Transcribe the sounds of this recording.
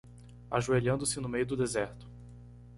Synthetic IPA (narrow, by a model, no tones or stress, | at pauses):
aʒueʎɐ̃nd̪ʊsɪnʊmejʊd̪ʊd̪ezɛɾt̪ʊ̥